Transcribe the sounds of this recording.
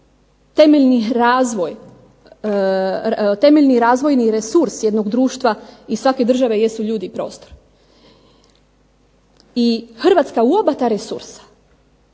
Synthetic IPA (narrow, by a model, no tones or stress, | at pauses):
t̪e̞meʎniɾaːzʋoj | t̪e̞me̞ʎʲniɾaːzʋo̞jniɾesuɾsje̞d̪noɡd̪ɾuːʃt̪ʋaisʋake̞d̪r̩ʒaʋe̞je̞suʎuːd̪ipɾo̞̰ːst̪oɾ | ixr̩ʋat̪skauobat̪aːɾesṵɾsḁ